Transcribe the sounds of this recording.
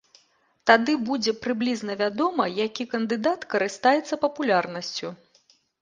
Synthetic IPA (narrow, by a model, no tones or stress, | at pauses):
t̪ad̪ɨbud͡zʲɛpɾɨblʲiznɐvʲad̪ɔmɐjakʲikɐnd̪ɨd̪at̪kɐɾɨst̪ajɛt̪sːɐpɐpulʲarnɐsʲt͡sʲu